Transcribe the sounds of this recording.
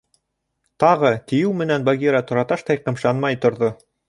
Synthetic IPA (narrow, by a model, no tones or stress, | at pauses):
t̪ɑʁɤt̪ɘ̆jɘwmɘ̆nænbaɡʲiɾɑt̪ŏɾɑt̪ɑʃt̪ɑjqɤ̆mʃɑnmɑjt̪ŏɾðo